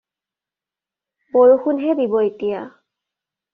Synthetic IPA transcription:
boɹuxunɦɛdibɔetija

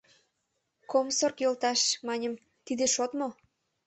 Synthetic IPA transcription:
komsorkjolt̪ɑʃmɑnʲəm | t̪id̪eʃot̪mo

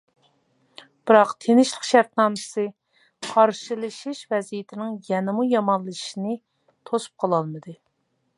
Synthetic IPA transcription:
b̥ɨɾɑqt̪ʰenɪʃlˠəqʃæɾt̪nɑːmsɨ | qʰɑɾʃɨlˠɨʃiʃvɛzijɪt̪ʰɪnɪŋjɛnɨmujɑmɑnlˠɨʃinɨ | t̪ʰosu̥p̚qʰɑlˠɑlˠmɨd̪ɨ

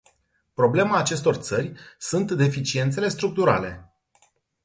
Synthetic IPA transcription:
pɾo̞ble̞maːt͡ʃe̞st̪o̞rt̪sərʲsunt̪d̪e̞fit͡ʃie̞nt̪se̞le̞st̪ɾuk̚t̪uɾa̰le̞

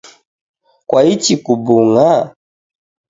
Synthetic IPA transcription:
kwait͡ʃikubuŋa

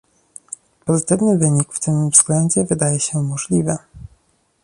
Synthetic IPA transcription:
pɔzɘt̪ɘvnɘvɘɲikft̪ɘmvzɡlɛnd͡ʑɛvɘd̪ajɛɕɛmɔʐlʲivɘ

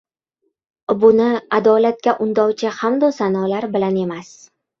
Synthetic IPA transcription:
bʊnɪad̪ɒlat̪̚kʲaʔʊnd̪ɒwt͡ʃʰɪhamd̪ɒsanɒlaɾbɪlane̞mas

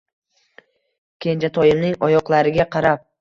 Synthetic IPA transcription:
kʲʰe̞nd͡ʒat̪ʰɒjɪmnɪŋɒjɒqlˠaɾɪɡʲaqʰɑɾap̚

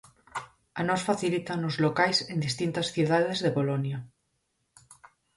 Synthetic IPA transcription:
anosfaθilit̪anozlokajsend̪ist̪int̪asθjuðað̞ezðepolonja

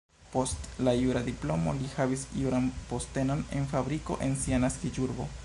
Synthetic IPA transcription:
po̞stlajuɾadiplo̞mo̞̰lihavisjuɾanpo̞ste̞no̞ne̞̰nfabɾiko̞̰ʔe̞nsianaskid͡ʒuɾbo̞̰

